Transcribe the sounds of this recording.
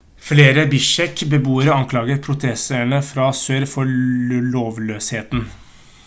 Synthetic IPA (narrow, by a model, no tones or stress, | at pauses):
fleːɾəbɪʂɛkbəbuːəɾɔɑŋkʰlɑːɡəɾpʰɾʊt̪ʰɛsəɳəfɾɑsøːɾfɔɭoːʋløːsheːt̪n